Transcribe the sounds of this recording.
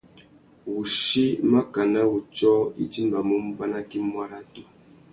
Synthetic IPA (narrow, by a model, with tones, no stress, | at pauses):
wu˨ʃi˦ma˦ka˨na˦wu˨t͡ʃɔ˦ḭ˦ti˦m˦ba˨mo˦m˦ba˦na˦ki˦mwa˦ɾa˦tu˦